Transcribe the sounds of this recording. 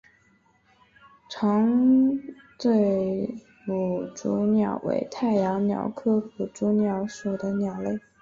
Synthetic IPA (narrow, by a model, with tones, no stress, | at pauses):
ʈ͡ʂʰɑ˧˥ŋ | t͡swe˥˩ɪ | mu˨˩ʈ͡ʂu˧˥njɑ˨˩ʊwḛ˧˥ɪt̪ʰa˥˩ɪjɑ˧˥ŋnjɑ̰˨˩ʊkʰɤ˥pu˨˩ʈ͡ʂu˧˥njɑ˧˥ʊʂu˨˩d̪ə˦njɑ˨˩ʊle˥˩ɪ